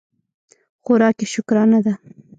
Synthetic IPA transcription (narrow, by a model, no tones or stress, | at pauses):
xʊɾɑkeʃʊkɾɑnad̪a